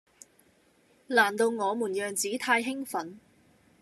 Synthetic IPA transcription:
laː˨˩nt̪o˧wŋɔː˨˧muː˨˩njœː˨ŋt͡siː˨˥t̪ʰaː˧jɦɪ˥ŋfɐ˨˥n

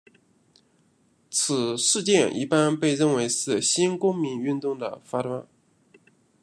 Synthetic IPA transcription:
t͡sʰɹ̩˨˩ʂɻ̩˥˧t͡ɕjɛ˥˧nʔḭ˥˩pa˥npe˥˧ɪɻə˥˩nwe˧˥ɪʂɻ̩˥˩ɕi˥nkʊ˥ŋmi˧˥ny˥˧nt̪ʊ˥˩ŋd̪ə̰˩fa˥t̪wa˥n

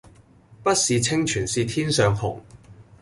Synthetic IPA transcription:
pɐ˥t̚siː˨t͡sʰɪ˥ŋt͡ʃʰyː˨˩nsiː˨˧t̪ʰiː˥nsœː˨˧ŋhʊ̰˨˩ŋ

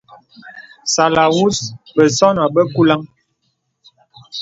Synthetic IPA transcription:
sa˨la˨wu˦sbə˨sɔ˦na˨bə˦ku˦la˦ŋ

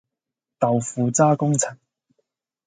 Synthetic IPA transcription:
t̪ɐ˨wfuː˨˧t͡saː˥kʊ˥ŋt͡sʰɪ˨˩ŋ

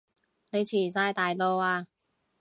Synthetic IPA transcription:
ne˨˧jt͡sʰiː˨˩saː˧jt̪aː˨jt̪o˧waː˧

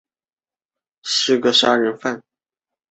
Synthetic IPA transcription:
ʂɻ̩˥˩ɡə˧ʂa˥ɻə˧˥nfa˥˩n

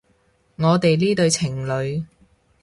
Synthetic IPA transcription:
ŋɔː˨˧t̪e˨jliː˥t̪ɵ˧ɥt͡sʰɪ˨˩ŋlɵ˨˧ɥ

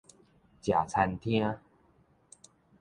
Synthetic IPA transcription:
t͡ɕja˨˩t͡sʰa˧nt̪ʰĩ˦ə˦

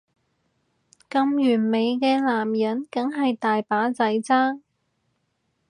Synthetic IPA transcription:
kɐ˧mjyː˨˩nme˨˧jkɛː˧laː˨˩mjɐ˨˥nkɐ˨˥ŋɦɐ˨jt̪aː˨jpaː˨˥t͡sɐ˨˥jt͡saː˥ŋ

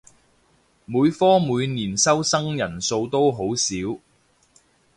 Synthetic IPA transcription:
muː˨˧jfɔː˥muː˨˧jniː˨˩nsɐ˥wsɐ˥ŋjɐ˨˩nso˧wt̪o˥wɦo˨˥wsiː˨˥w

